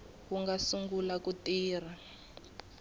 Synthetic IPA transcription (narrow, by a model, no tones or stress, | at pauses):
ɣuŋɡasuŋɡulakutiːra